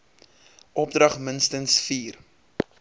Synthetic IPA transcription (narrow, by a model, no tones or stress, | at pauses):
ʔɔp̚drɐχmənstənsfiːr